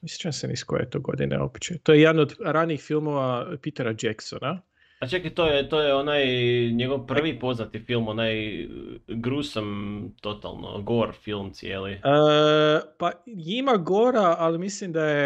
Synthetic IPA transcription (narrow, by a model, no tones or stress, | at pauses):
misi̥t͡ʃensenḭskojḛt̪o̞ɡo̞̰d̪ḭnḛo̰pt͡ʃet̪ojeed̪anod̪ɾaniiːxfilˠmo̞ʋapit̪eɾad͡ʒeksona | at͡ʃakit̪oːjet̪oːjeonajɲeɡo̞ʋpr̩ʋipo̞znat̪ifilˠmonaj | ɡɾuːsamt̪o̞t̪a̰lˠno̰ɡoɾfilˠmt̪sʲjeliə | paimaɡoɾaalimislimd̪aje